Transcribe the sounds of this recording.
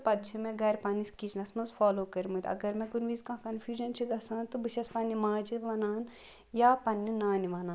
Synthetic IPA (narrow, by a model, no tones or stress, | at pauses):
pɐd̪t͡ʃʰimẽɡɐɾʲpaːniskiːt͡ʃʰnɐsmɐzfʰaːloːkɐɾmut̪ɐ̰ɡɐɾmẽkunʋiːzkãːkɐnfʰʲjuːd͡ʒɐnt͡ʃʰiɡɐsãːnt̪ubiʃɐspaːnimãːd͡ʒiʋɐnaːn | jaːpɐnːinaːniʋaːnaːn